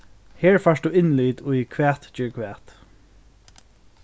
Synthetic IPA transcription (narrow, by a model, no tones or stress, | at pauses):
heːɹfɑʂd̪uːɪnliːd̪ʊjkʰʋæːt̪d͡ʒʏːɹkʰʋæːt̪